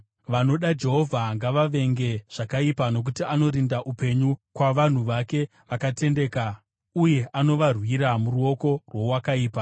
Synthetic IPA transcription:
ʋano̞ɗad͡ʒe̞ɦo̞vʱaŋɡaʋaʋe̞ŋɡe̞ʐ̥akaipano̞k̬utiano̞ɾindaʔupe̞ɲukwaʋan̤uʋake̞ | ʋakate̞nde̞ka | uje̞ʔano̞ʋarwiɾamuruo̞ko̞rwo̞wakaiːpa

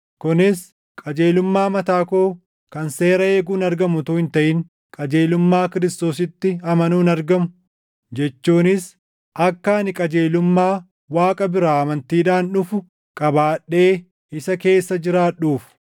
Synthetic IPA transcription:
kʊnɪs | kʼɐd͡ʒe̞ːlʊmːaːmɐt̪aːkoː | kɐnse̞ːɾɐeːɡuːnɐɾɡɐmʊt̪uːhɪnt̪ɐʔɪŋ | kʼɐd͡ʒe̞ːlʊmːaːkɪɾɪst̪o̞ːsɪt̪ːɪɐmɐnuːnɐɾɡɐmʊ̥ | d͡ʒɛt͡ʃːuːnɪs | ʔɐkːanɪkʼɐd͡ʒe̞ːlʊmːaː | waːkʼɐbɪɾaːɐmɐnt̪iːᶑaːnᶑʊfʊ | kʼɐbaːᶑːe̞ː | ɪsɐke̞ːsːɐd͡ʒɪɾaːᶑuːf

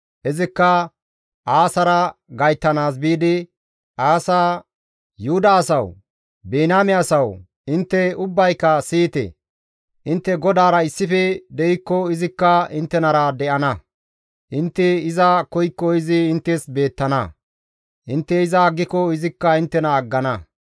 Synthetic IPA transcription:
ʔɪzɪkːɐ | ʔaːsɐɾɐɡɐjt̪ːɐnaːs̬biːd̪ɪ | ʔaːsaː | jʊhʊd̪ɐːsɐw | beːnaːmɛɐsɐw | ɪnt̪ːɛʊbːɐjkːɐsiːt̪ɛ̰ | ʔɪnt̪ːɛɡɔd̪aːɾɐɪsːɪfɛd̪ɛjɪkːɔɪzɪkːɐɪnt̪ːɛnɐɾɐd̪ɛʔɐnɐ | ʔɪnt̪ːɛɪzɐkɔjkːɔɪzɪɪnt̪ːɛsbe̞ːt̪ːɐnɐ | ʔɪnt̪ːɛɪzɐːɡːɪkɔɪzɪkːɐɪnt̪ːɛnɐːɡːɐnɐ

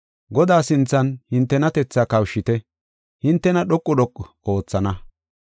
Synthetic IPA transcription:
ɡɔd̪aːsɪnt͡sːɐnhɪnt̪ːɛnɐt̪ɛt͡sːaːkɐwʃːɪt̪ɛ | hɪnt̪ːɛnɐɗɔkʼːʊɗɔkʼːɔ | o̞ːt͡sːɐnɐ

